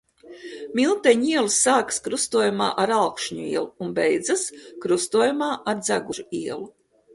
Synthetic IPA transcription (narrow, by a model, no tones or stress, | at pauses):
milˠt̪ɛɲiɛlˠsːaːkskɾust̪uɔjuma̰ːʔaɾalkʃɲuḭɛlˠuunbɛjd̪zaskɾust̪uɔjumaːʔaɾd̪zaɡuʒuiɛlˠu